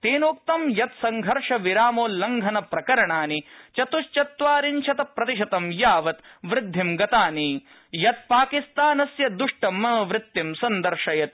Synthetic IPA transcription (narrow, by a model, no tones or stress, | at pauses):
t̪eːnoːk̚t̪ɐmjɐt̪sɐŋɡʱɐɾʂɐʋiɾaːmoːlːɐŋɡʱɐnɐpɾɐkɐɾɐɳaːnit͡ʃɐt̪uʃt͡ʃɐt̪ʋaːɾinʃɐt̪ɐpɾɐt̪iʃɐt̪ɐmjaːʋɐt̪ʋɾɪd̪ʱːimɡɐt̪aːniː | jɐt̪̚paːkist̪aːnɐsjɐd̪uʂʈɐmɐʋɾɪt̪ːimsɐnd̪ɐɾʂɐjɐt̪̚